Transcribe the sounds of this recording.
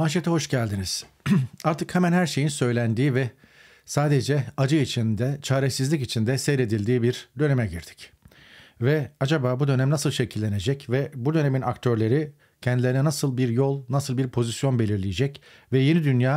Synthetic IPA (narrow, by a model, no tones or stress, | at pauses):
maʃ̬et̪ʰɛho̞ʃɟælʲd̪iniz̥aɾt̪ʰɯkhɛmænhæɾʃejinsø̞jlʲænd̪iːvɛ | saːd̪e̞d͡ʒɛad͡ʒɯit͡ʃʰind̪ɛt͡ʃʰaːɾesizlʲicit͡ʃʰind̪ɛsɛjɾe̞d̪ilʲd̪iːbiɾd̪ø̞ne̞mɛɟiɾd̪̥i̥c | vɛad͡ʒabaːbud̪ø̞næmnasɯlˠʃe̞cʰilʲːe̞ne̞d͡ʒɛcvɛbud̪ø̞ne̞mina̰kt̪ʰø̞ɾlʲe̞ɾi | cʰɛnd̪ilʲeɾinɛnasɯlˠbiɾjo̞lˠnasɯlˠbiɾpʰo̞zisjo̞nbe̞lʲiɾlʲijed͡ʒɛc | vɛje̞nid̪ynjaː